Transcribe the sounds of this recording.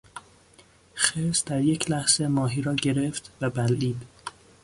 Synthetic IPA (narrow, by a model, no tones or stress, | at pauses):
xesd̪̥æɾjecʰlæhz̥emɒːɦiːɾɒːɟe̞ɾeft̪væbælʔiːd̪